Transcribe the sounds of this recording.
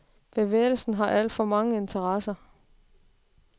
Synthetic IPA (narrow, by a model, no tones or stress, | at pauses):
b̥e̝ʋḛːɪl̩sn̩ɦɑ̈ʔæl̰d̥fɒ̽mɑ̈ŋəe̝nt͡sʰɐʁɑsɐ